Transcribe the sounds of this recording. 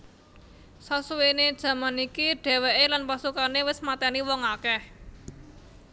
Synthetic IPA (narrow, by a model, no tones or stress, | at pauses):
sasuwened̥ʒ̥ä̤manikiɖ̥ɛ̤wɛʔelanpasukanewɪsmat̪ɛniwɔŋakɛh